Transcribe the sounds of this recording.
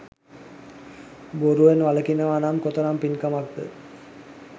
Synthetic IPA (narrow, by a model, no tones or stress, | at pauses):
boɾuʋenʋaləkinəʋaːnamkot̪oɾampinkamak̚d̪ə̰